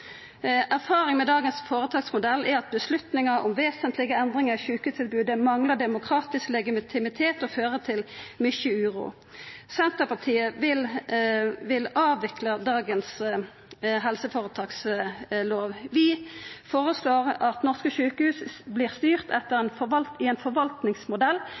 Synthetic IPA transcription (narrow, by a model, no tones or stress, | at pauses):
ʔæʁfɑːʁɪŋmɛd̪ɑːɡənsfoːʁət̪ʰɑːksmʊd̪ɛlːæɾɑt̪̚bəslʉt̪nɪŋəɔ̰mʋeːsənt̪lɪɡəɛnd̪ʁɪŋəʃʉːkhʉːst̪ʰɪlbʉːd̪əmɑŋləɖ̪ɛmʊkʰɾɑːt̪ɪsklɛɡɪmɪt̪ʰɪmɪt̪ʰeːt̪ɔføːʁət̪ʰɪlmʏçəʉːʁṵː | sɛnt̪əpʰɑt̪ʰiːəʋɪl | ʋɪlɑːʋʋɪkləd̪ɑːɡəns | ɦɛlsəfoːʁət̪ʰɑːksloːʋʋɪfoːʁəsloːʁɑt̪nɔʁskəʃʉːkəhʉːsbliːʁst̪yːʁt̪ʰɛt̪ːəʁɛːnfɔʋɑlt̪ɪɛnfɔʁʋɑlt̪nɪŋsmʊd̪ɛlː